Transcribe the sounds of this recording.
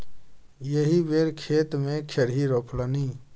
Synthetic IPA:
jəɦiʋeːɾkʰeːt̪mẽkʰeɾɦiɾoːpʰləni

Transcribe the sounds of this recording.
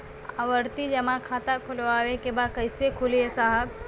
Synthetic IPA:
aʋəɾt̪id͡ʒɐmãkʰaːt̪akʰʊlʋaːʋekebaːkɐɪsekʰʊliesaːɦəb̚

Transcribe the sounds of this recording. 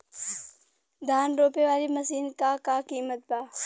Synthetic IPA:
d̪ʱaːnɾoːpeʋaːlimɐsiːnkakakiːmət̪̚baː

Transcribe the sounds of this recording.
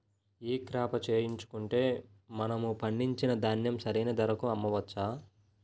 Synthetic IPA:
iːkɾaːpɐt͡ʃe̞ːjiɲt͡ʃu̥kuɳʈe̞ː | mɐnɐmupɐɳɖiɲt͡ʃinɐd̪ʱɐnjɐmsɐɾejnɐd̪ɐɾɐkuɐmːɐʋɐt͡ʃːaː

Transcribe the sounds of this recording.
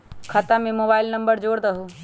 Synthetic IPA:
kʰɐt̪amẽmoːbaːɪlnɐmbəɾd͡ʒoːɽd̪əɦu

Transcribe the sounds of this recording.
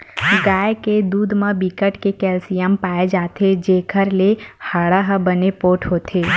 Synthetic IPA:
ɡajked̪ud̪mãbikəʈkekɛlsijəmpaed͡ʒat̪ʰed͡ʒekʰəɾlehəɭəɦəbənepoʈʰɦot̪ʰe

